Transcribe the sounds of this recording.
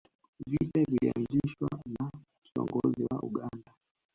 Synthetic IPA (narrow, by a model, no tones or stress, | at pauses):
vitavilianziʃwana | kiɔ̰ŋɡɔziwaʔuɠanda